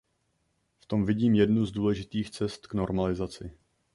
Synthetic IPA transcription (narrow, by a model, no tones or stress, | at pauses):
ft̪o̞mvɪɟiːmjɛdnuzduːlɛʒɪt̪iːxt͡sɛst̪kno̞ɾmalɪzat͡sɪ